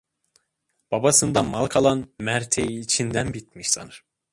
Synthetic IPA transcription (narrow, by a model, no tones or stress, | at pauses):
b̥abasɯnd̪amalˠkʰalˠanmæɾt̪ʰejiːt͡ʃʰind̪ænbit̪̚miʃsa̰nɯɾ̥